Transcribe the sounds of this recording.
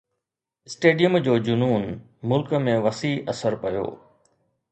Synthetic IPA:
ɪsʈeːɖijəmd͡ʑoːd͡ʑʊnuːn | mʊlkmẽʋɐsiːɐsəɾpɐjo̰ː

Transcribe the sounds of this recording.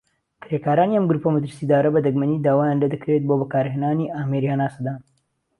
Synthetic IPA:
kɾekaːɾaːniɐmɡɾuːpɐmɐt̪ɾsiːd̪aːɾɐbɐd̪ɐɡmɐniːd̪aːwaːjaːnled̪ɐkɾet̪̚bobɐkaːɾɦeːnaːniʔaːmeɾihanaːsɐd̪aːn

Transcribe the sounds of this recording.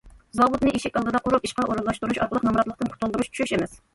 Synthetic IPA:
zɑwut̪nɨʔeʃikʲɑlˠd̪ɨd̪ɑʔuɾupiʃqɑʔoɾɨlˠɑʃt̪uɾuʃɑ̰ɾqəlˠəqnɑmɾɑt̪lˠəqt̪ɨnqʰʊ̥t̪ʊlˠd̪uɾuʃt͡ʃʰyʃyɾyʃemɪs

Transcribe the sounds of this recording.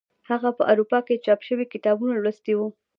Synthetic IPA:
haɣapəʔaɾupɑket͡ʃɑpʃəwikɪt̪ɑbunolɾəst̪ewu

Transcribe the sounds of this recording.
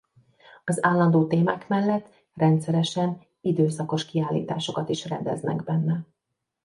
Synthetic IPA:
ɒzaːlːɒnd̪oːt̪eːma̰ːkmɛlːɛt̪ː | rɛnt̪sɛɾɛʃɛn | id̪øːsɒko̞ʃkiaːlːḭːt̪a̰ːʃo̞kɒt̪iʃrɛnd̪ɛ̰znɛ̰ɡbɛnːɛ

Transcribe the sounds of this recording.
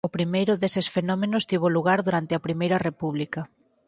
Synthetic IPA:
ʊpɾimejɾʊðesɪsfenɔmenʊst̪iβ̞oluɣ̞aɾðuɾant̪ɪɐpɾimejɾɐrepuβ̞likɐ

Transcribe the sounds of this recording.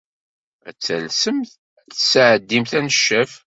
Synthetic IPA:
æ̰t͡sːælsəm | θsʕəd̪ːimθænəʃːəf

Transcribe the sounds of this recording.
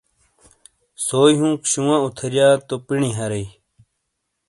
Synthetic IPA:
soːjɦũːkɕuwãut̪ʰɐɾjaːt̪opiɳĩɦɐɾej

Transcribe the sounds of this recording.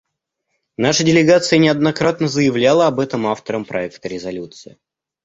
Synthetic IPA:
naʂədʲɪlʲɪɡat̪sɨjənʲɪɐd̪nɐkɾat̪nəzəjɪvlʲalˠəɐbɛt̪əmaft̪əɾəmpɾɐɛkt̪əɾʲɪzɐlʲut̪sɨɪ

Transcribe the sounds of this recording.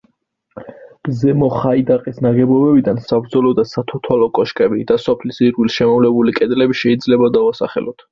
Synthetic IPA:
b̥zɛmɔχaid̪aqʼisnaɡɛbɔbɛbid̪ansabɾd̪zɔlɔd̪asat̪ʰɔt̪ʰwalɔkʼɔʃkʼɛbid̪̥asɔpʰlisiɾɡilʃɛmɔvlɛbulikʼɛd̪lɛbiʃɛid̪zlɛbad̪avasa̰χɛ̰lɔt̪ʰ

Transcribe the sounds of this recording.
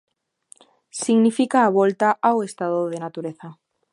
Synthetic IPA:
siɣnifikaːβ̞olt̪aʔawest̪að̞oðenat̪uɾeθa

